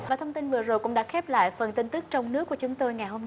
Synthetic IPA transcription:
vaː˨˩t̪ʰə˧wŋ͡mt̪i˧nvɨ˨˩əzo˨˩jkʊ̰˧˥ŋ͡mɗa̰ː˧˥xɛ˦˥p̚la̰ː˧˨jfə˨˩nt̪i˧nt̪ɨ˦˥k̚t͡ɕɔ˧wŋ͡mnɨ˦˥əkːu˧˩ət͡ɕʊ˨˦ŋ͡mt̪o˧jŋa˨˩jho˧m˧

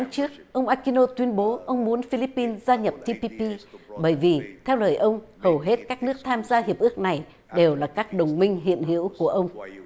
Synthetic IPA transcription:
a˨˦ŋt͡ɕɨ˦˥ək̚ʔə˧wŋ͡mʔaː˧ki˧no˧t̪wi˧ənɓo˨˦ʔə˧wŋ͡mmu˨˦ənfi˧li˦˥pːi˧nzaː˧ɲə˨˩p̚t̪ʰi˧pi˧pi˧ɓəː˧˩jvi˨˩t̪ʰɛ˧wləː˨˩jʔə˧wŋ͡mhə˨˩wɦe˦˥t̚kaː˦˥k̚nɨ˦˥ək̚t̪ʰaː˧mzaː˧hi˨˩əp̚ʔɨ˦˥ək̚na˨˩j | ɗe˨˩wlaː˨˩kaː˦˥k̚ɗə˨˩wŋ͡mmï˧ŋ̟ɦḭ˧˨ənɦḭ˧˥əwku˧˩əʔə˧wŋ͡m

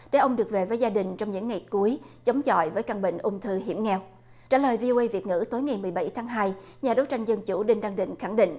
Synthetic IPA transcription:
ɗe˧˩ʔə˧wŋ͡mɗɨ˨˩ək̚ve˨˩vəː˨˦jzaː˧ɗï˨˩ŋ̟t͡ɕɔ˧wŋ͡mɲɨ̰˧˥ŋːa˨˩jku˨˦əjt͡ɕə˨˦wŋ͡mt͡ɕɔ̰˧˨jvəː˨˦jkaː˧˩ŋɓḭ˧˨ŋ̟ʔʊ˧ŋ͡mt̪ʰɨ˧ɦḭ˧˩˥əmŋɛ˧w | t͡ɕa̰ː˧˩ləː˨˩jvi˧o˧ʔə˧jvi˨˩ət̚ŋɨ̰˧˥t̪o˨˦jŋa˨˩jmɨ˨˩əjɓa˧˩jt̪ʰaː˨˦ŋɦaː˧jɲaː˨˩ɗo˨˦jt͡ɕa˧jŋ̟zə˧nt͡ɕu˧˩ɗi˧ŋɗa˧ŋɗḭ̈˧˨ŋ̟xa˧˩ŋɗḭ̈˧˨ŋ̟ʔ

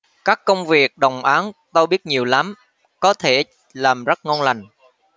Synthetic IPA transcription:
kaː˦˥kːə˧wŋ͡mvi˨˩ək̚ɗə˨˩wŋ͡mʔaː˨˦nt̪o˧jɓi˦˥ət̚ɲi˨˩əwla˨˦m | kɔ˨˦t̪ʰe˧˩ | laː˨˩mzə˦˥t̚ŋo˧nla˨˩jŋ̟

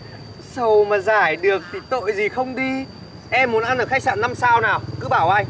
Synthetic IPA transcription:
sə˨˩wmaː˨˩zaː˧˩jɗɨ˨˩ək̚t̪ʰi˨˩t̪o̰˧˨jzi˨˩xə˧wŋ͡mɗi˧ | ʔɛ˧mːu˨˩˦nʔa˧nʔəː˧˩xa˦˥k̚sa̰ː˧˨nːa˧msaː˧wnaː˨˩wkɨ˨˦ɓaː˧˩wʔaː˧j

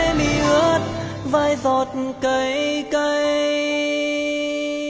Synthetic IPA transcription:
mi˧˩ə˦t̚ | vəː˧˩jzɔ˨˩t̚kə˨˧˦jkə˧j

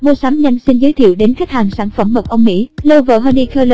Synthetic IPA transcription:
mo˧sa˨˦mɲa˧jŋsi˧nzəː˨˦jt̪ʰḭ˧˨əwɗe˨˦nxa˦˥k̚haː˨˩ŋsaː˧˩nfə˧˩mːə˨˩k͡p̚ʔə˧wŋ͡mmḭ˧˥lə˧wvə̰ː˧˨ɦəː˧ni˧kʰəː˧lə˧˩

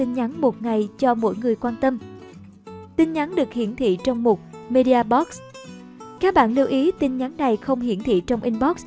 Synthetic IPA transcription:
i˧nɲa˨˦nmo˨˩t̚ŋa˨˩jt͡ɕɔ˧mo̰˧˥jŋɨ˨˩əjkwaː˧nt̪ə˧m | t̪i˧nɲa˨˦nɗɨ˨˩ək̚hḭ˧˨ənt̪ʰḭ˧˨t͡ɕɔ˧wŋ͡mmo˨˩t̚me˧ɗi˧aː˧ɓɔ˦˥k̚s | kaː˦˥k̚ɓa̰ː˧˨nli˧əwʔi˨˦t̪ï˧nɲa˨˦nna˨˩jxə˧wŋ͡mhḭ˧˨ənt̪ʰḭ˧˨t͡ɕɔ˧wŋ͡mʔi˧nɓɔ˦˥k̚s

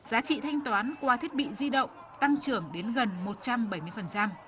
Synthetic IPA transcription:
zaː˨˦t͡ɕḭ˧˨t̪ʰa˧jŋ̟t̪waː˨˦nkwaː˨˧t̪ʰi˦˥t̚ɓḭ˧˨zi˧ɗə̰˧˨wŋ͡m | t̪a˧ŋt͡ɕɨ˧˩əŋɗe˨˦nɣə˨˩nmo˨˩t̚t͡ɕa˧mɓə˧˩jmɨ˧əfə˨˩nt͡ɕa˧m

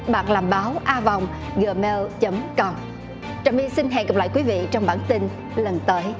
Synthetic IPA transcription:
ɓaː˨˩k̚laː˨˩mɓaː˨˦wʔaː˧vɔ˨˩wŋ͡m | ɣɨ˨˩me˧wt͡ɕə˨˦mkə˧wŋ͡m | t͡ɕaː˨˩wmʔi˧si˧nɦɛ̰˧˨ŋɣə˨˩p̚la̰ː˧˨jkwi˨˦vḭ˧˨t͡ɕɔ˧wŋ͡mɓaː˧˩nt̪i˧n | lə˨˩nt̪əː˨˦j

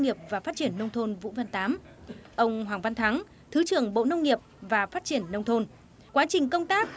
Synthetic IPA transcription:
ŋ͡mŋi˨˩əp̚vaː˨˩faː˦˥t̚t͡ɕi˧˩ənːə˧wŋ͡mt̪ʰo˧nvṵ˧˥və˧nt̪aː˨˦m | ʔə˧wŋ͡mɦwaː˨˩ŋva˧nt̪ʰa˨˦ŋ | t̪ʰɨ˨˦t͡ɕɨ˨˩əŋɓo̰˧˨nə˧wŋ͡mŋi˨˩əp̚vaː˨˩faː˦˥t̚t͡ɕi˧˩ənːə˧wŋ͡mt̪ʰo˧n | kwaː˨˦t͡ɕï˨˩ŋ̟kə˧wŋ͡mt̪aː˦˥k̚

